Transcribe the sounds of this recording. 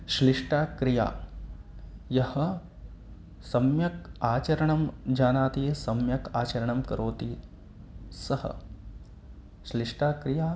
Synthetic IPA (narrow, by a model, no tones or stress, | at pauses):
ʃliʂʈaːkɾija̰ː | jɐhɐ̆ | sɐmjɐkaːt͡ʃɐɾɐɳɐmd͡ʒaːnaːt̪isɐmjɐkaːt͡ʃɐɾɐɳɐmkɐɾoːt̪i | sɐhɐ̰ | ʃliʂʈaːkɾɪjaː